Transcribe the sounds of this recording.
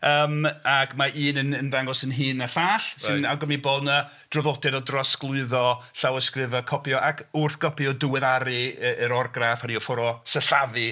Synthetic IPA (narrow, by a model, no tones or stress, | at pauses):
əːmakmaʔiːnənənðaŋɡɔsənɦiːnəɬaːɬsɨnawɡɔmiboːdnə | d̥rɔvɔtɛdɔdrɔsklˠʊɨðɔɬawəskrɪvɔkʰɔpjɔʔakʰʊrθɡ̥ɔpʰjɔdʊwɛðaɾɨəʔəɾɔrɡrafaɾiɔfɔɾɔsəɬavɨ